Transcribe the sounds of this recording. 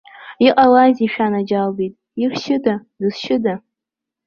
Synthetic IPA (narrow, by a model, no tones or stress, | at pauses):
iqʼalaziʃᶣanad͡ʒalbijtʼ | irʃɪdadɨsʃɪda